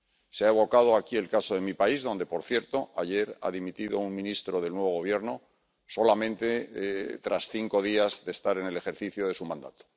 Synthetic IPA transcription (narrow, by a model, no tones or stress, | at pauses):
seaeβ̞o̞kað̞o̞akie̞lkasoðe̞mipaizðo̞nd̪e̞po̞ɾθje̞ɾt̪o̞aʝe̞ɾa̰ðimit̪iðo̞uŋmĩnist̪ɾo̞ðe̞lnwe̞βo̞ɣo̞β̞je̞ɾno̞ | so̞lamẽnt̪e̞t̪ɾasθiŋko̞ð̞iazðe̞ːst̪aɾe̞ne̞le̞xe̞ɾθiθjoð̞e̞sumãnd̪a̰t̪o̥